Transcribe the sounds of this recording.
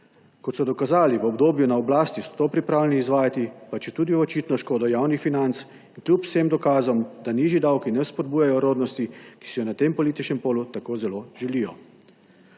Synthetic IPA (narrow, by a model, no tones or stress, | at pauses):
kɔt̪sɔd̪ɔkazaːliʋɔbd̪oːbjunaɔblaːst̪isɔ̥t̪oːpɾipɾaːwlɛniːzʋaːjat̪ipat͡ʃjɛt̪uːd̪iɔt͡ʃiːt̪nɔʃkoːd̪ɔjawnixfinant̪s | iŋklʲjupw̥semd̪ɔkaːzɔmd̪aniːʒid̪awkinɛspɔd̪̚buːjajɔɾoːd̪nɔst̪iki̥sɛjɔnat̪eːmpɔliːt̪it͡ʃnɛmpoːlut̪akoːzɛloːʒɛliːjɔ